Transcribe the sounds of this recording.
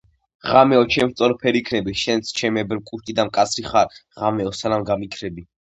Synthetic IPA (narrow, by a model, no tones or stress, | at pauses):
ʁamɛɔt͡ʃʰɛmɾt̪sʼɔɾpʰɛɾikʰnɛbiʃɛnst͡ʃʰɛmɛbɾkʼuɾʃt̪ʼid̪amkʼat̪sʰɾiχaɾʁamɛɔsanamɡamikʰɾɛbi